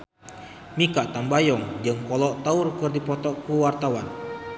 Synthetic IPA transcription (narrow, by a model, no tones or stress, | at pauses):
mikaʔt̪ambajɔŋd͡ʒɨŋkɔlɔʔt̪aurkɨrdipɔt̪ɔʔkuwart̪awan